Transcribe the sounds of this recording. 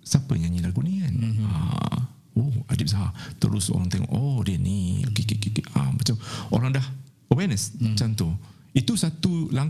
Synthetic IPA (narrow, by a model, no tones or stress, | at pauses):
sapə̰ɲãɲilaɡuʔnikana̰ | woadip̚saɦat̪ə̰ɾʊso̰ɾaŋt̪ɛŋ̰ʔodiəniokekekeka̰mbat͡ʃapoɾaŋdah | əwɛnəsmat͡ʃant̪u | it̪usat̪ulaŋ